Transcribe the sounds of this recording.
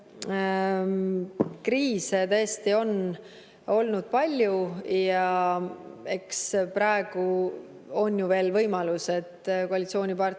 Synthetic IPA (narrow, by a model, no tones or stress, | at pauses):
kriːset̪ɤst̪io̞n | o̞lnud̪̥̚pɑlʲjujɑ | e̞kspɾɑeɡ̥u | o̞nːjuve̞ːlvɤjmɑluse̞t̪ːkoɑlʲit̪sio̞ːnʲipɑr